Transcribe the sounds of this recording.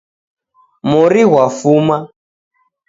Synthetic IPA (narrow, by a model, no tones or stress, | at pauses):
mɔɾiɣwafuma